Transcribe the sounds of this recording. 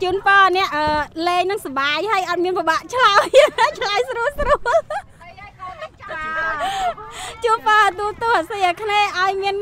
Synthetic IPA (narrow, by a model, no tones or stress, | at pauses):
t͡ɕuənpɑːnɛ̆əʔəːleːŋnɨŋsaɓaːjhaəjʔɑt̪̚miənpoɓaːʔt͡ɕʰlant͡ɕʰlajsruəlsruəl | t͡ɕuənpɑːt̪uət̪ʊəhʔasɨjʔəkʰneːʔaɔjmiən